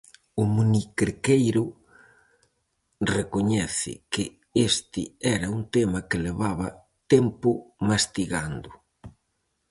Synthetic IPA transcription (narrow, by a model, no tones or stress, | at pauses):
ʊmunikeɾkejɾʊ | rekoɲɛθɪ̰kɪ | est̪ɪɛɾɐunt̪emɐkɪleβaβɐ | t̪ɛmpʊmast̪iɣand̪ʊ